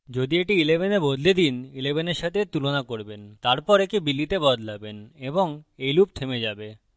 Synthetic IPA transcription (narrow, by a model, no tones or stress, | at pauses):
d͡ʑod̪ieʈiilebʱenebod̪ʱled̪inilebʱeneɾʃat̪ʰet̪ulonakoɾbent̪aɾpɔɾekibilːit̪ebɔd̪ʱlabeneboŋejlup̚t̪ʰemed͡ʑabe